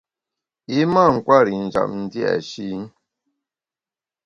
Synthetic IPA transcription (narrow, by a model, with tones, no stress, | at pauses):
i˦ma˦˨ŋ̩˨kwa˦˨ɾi˨n̩˨d͡ʒa̰˨mn̩˦di˦a̰˨ʃi˦n˦